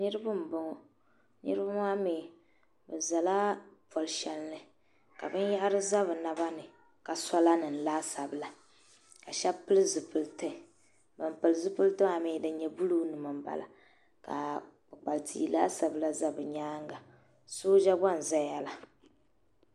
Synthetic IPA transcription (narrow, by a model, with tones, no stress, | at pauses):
nɨ˦ɾɨ˦bɨ˦m̩˨bʊ˦ŋɔ˨ | nɨ̰˦ɾɨ˦ba˦maː˦meː˨ | bɨ˨za˨la˦pɔ˨lʃɛ˨lnɨ˨ | ka̰˨bɨ˦nja˦ʔɾɨ˦za˦βɨ˨na˦ba˦nɨ˨ | ka˨sa˦la˦nɨ˨n˨laː˦sa˨bɨ˨la˨ | ka˨ʃɛ˦pɨ˦lɨ˦zɨ˨pɨ˨ltɨ˦˨ | bɨ˨mpɨ˨lɨ˨zɨ˦pɨ˦ltɨ˦ma˦˨mɪː˨˦dɨ˨ɲɛ˨bu˦lu˦nɨ˨mɨ˨mba̰˨la̰˨ | ka̰˨ | k͡pɨ˨k͡pa˨ltʰḭ˦laː˦sa˨bɨ˨la˦za˦bɨ˨ɲaː˦ŋɡa˨ | soː˦d͡ʒa˦ba˦n̩˨za˦ja˦la˨